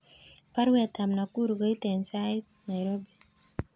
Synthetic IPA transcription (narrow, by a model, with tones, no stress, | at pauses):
pa˦ɾwɛ˨t̪a˨mna˨ku˦ɾɡɔ˦i˦tɛ˨nsait̚ | na˨jɾobi˨